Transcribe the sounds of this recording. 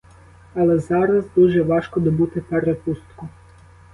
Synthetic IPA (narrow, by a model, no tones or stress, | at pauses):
ɐlˠɛzɑɾɐzd̪uʒɛʋɑʃkɔd̪ɔbut̪ɪpɛɾepust̪kʊ